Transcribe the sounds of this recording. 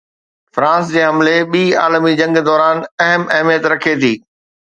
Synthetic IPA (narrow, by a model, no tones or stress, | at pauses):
fɾãːsd͡ʑeːɦɐmleɓiːaːlmid͡ʑɐ̃ŋɡd̪ɔːɾaːnɐɦəmɐɦmijət̪ɾɐkʰet̪ʰiː